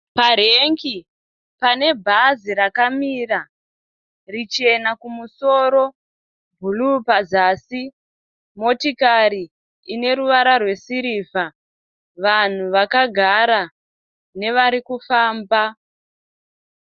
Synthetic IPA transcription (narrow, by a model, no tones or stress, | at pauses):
paɾeŋki | pane̞bʱaziɾakamiːra | rit͡ʃie̞nakumuso̞ːɾo̞ | bʱulupazasi | mo̞tikaɾiː | ne̞ɾuʋaɾarwe̞siɾiːfa | ʋan̤uʋakaɡʱaɾa | ne̞ʋaɾikufaːmba